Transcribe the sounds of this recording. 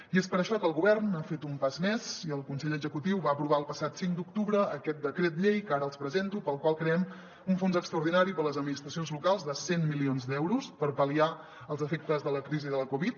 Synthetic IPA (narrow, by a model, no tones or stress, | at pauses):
iespəɾəʃɔkəlˠɣuβɛrnafet̪umpazmɛziəlˠkunsɛʎəzəkut̪iwβaəpɾuβ̞aəlˠpəsat̪siŋkd̪uk̚t̪uβɾəːkɛt̪̚d̪əkɾet̪̬ʎejkaɾəəlˠspɾəzent̪upəlˠkwalˠkɾeɛm | uɱfonzəkst̪ɾəuɾðinaɾipələzəd̪minist̪ɾəsijonzlukalˠzðəsenmilionzd̪ɛwɾuspəɾpəlia | əlˠzəfek̚t̪əzðələkɾiziðələkuβit̪̚